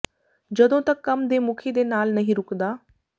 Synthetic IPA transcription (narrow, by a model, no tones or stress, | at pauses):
d͡ʑəd̪õt̪ɐkːɐmd̪emukʰed̪enaːlnɐɦĩɾʊkd̪aː